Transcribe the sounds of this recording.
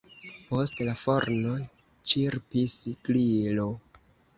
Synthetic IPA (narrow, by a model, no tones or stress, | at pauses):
po̞stlafo̞ɾno̞ | t͡ʃiɾpisɡlilo